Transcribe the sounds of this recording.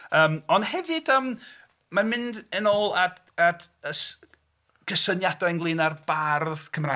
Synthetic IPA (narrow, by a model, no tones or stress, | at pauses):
əːmɔnd̥hɛvɨdəːm | mamɪndənoːlˠad | ad | əs | ɡ̥əsənjadanɡlˠɪnarb̥arðkʰəmra